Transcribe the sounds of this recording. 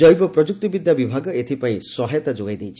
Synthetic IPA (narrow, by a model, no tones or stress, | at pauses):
ɔjbɔpɾɔd͡ʒuk̚t̪ibid̪ʱjabibʱaɡɔet̪ʰipaĩsɔɦajɔt̪ad͡ʒoɡajd̪ejt͡ʃʰi